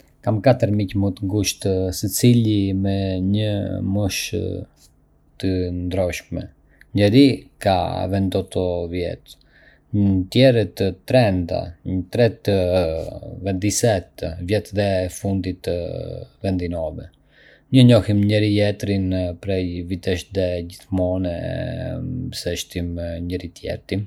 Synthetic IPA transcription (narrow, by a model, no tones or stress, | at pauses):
kamkat̪əɾmicmut̪əŋɡuʃt̪sət͡silimɛɲəmuʃ | t̪ənd̪ɾɔʃkmɛ̰ | ɲɛɾika̰vɛnd̪ɔt̪ɔvjɛ̰t̪ | t̪jɛɾɛt̪ət̪ɾɛnd̪a̰ɲət̪ɾɛt̪ | vɛnd̪isɛt̪vjɛt̪ðɛfund̪it̪əvɛnd̪inɔvɛ̰ | ɲəɲɔhimɲəɾijɛt̪ɾinpɾɛjvit̪ɛʃd̪ɛɟiθmɔnɛ̰ | sɛʃt̪imɲəɾit̪jɛ̰ɾt̪im